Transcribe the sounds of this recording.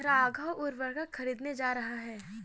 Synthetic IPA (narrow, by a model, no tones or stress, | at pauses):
ɾaaːɡʱəwʊɾʋəɾɡəkxɐɾiːd̪ned͡ʒaːɾɐɦaɦɛː